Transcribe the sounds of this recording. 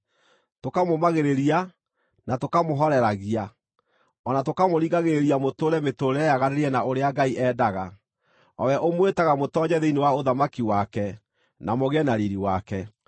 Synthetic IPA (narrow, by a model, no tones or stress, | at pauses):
tokamomaɣeɾeɾia | natokamoɦɔɾɛɾaɣia | ɔnatokamoɾiɣaɣeɾeɾiamotoːɾɛmetoɾɛjaɣaɾeɾiɛnaoɾeaɡaiʔɛːdaɣa | ɔwɛʔomwetaɣamotɔɲɛðeinewaoðamakiwakɛ | namoɣɛnaɾiɾiwakɛ